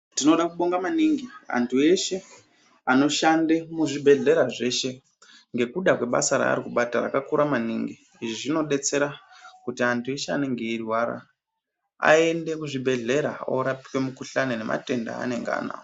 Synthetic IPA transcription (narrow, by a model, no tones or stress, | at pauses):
tino̞ɗakuɓo̞ŋɡamaniŋɡia̰ntʰue̞ʃe̞ | ano̞ʃandemuʐibʱe̞ɮe̞ɾaʐe̞ʃe̞ | ŋɡe̞kuɗakwe̞ɓa̰saɾa̰ːɾikuɓatara̰kakuɾamaniŋɡi | iʐiʐino̞ɗe̞t͡se̞ɾakutiantʰue̞ʃeane̞ŋɡeirwaɾa̰ | a̰e̞nde̞kuʐibʱe̞ɮe̞ɾao̰ɾapi̥kwemukuɬanene̞ma̰te̞nda̰ːne̞ŋɡa̰ːna̰o